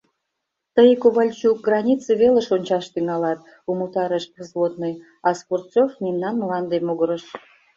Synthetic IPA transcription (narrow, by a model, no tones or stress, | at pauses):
t̪əjkoβɑlʲt͡ɕuk̚ɡrɑnʲit͡sɨβelə̆ʃonʲt͡ɕɑʃt̪yŋɑlɑt̪̚ | umut̪ɑɾəʃkəzlot̪nəj | ɑsport̪t͡sofnʲimnɑnməlɑnd̪emoɣəɾəʃ